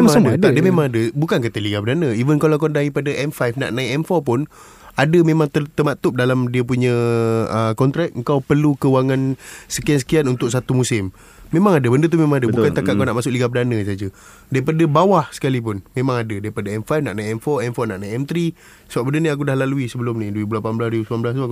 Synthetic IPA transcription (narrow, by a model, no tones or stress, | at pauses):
emmadədədəmemãŋadəbukank̬ət̪əliɡapədanə̃ivənkalak̬andaɾipadaʔɛmfajfna̰ʔnãiɛmfɔrpʊn | adəmemaŋt̪ət̪əmat̪ʊp̚dalamdiəp̬uɲə̃əkɔnt̪ɾɛk̚əŋkawpərlukəwaŋansəkiansə̥kianunt̪ʊk̚sat̪umusɪmː | emãŋadəbəndət̪umemãŋadəbukant̪akakanaʔmasʊk̚liɡapədanə̃sad͡ʒə | daɾipadəbawahsə̥kalip̬ʊnmẽmãŋadədaɾipadaɛmfajfnaʔnajɛmfɔɛmfɔrnaʔnaiɛmt̪ɾi | səbap̚bəndəniak̬udahlaluisəbəlʊmnĩdəibulapanbəlasɾibusəmanblast̪uaku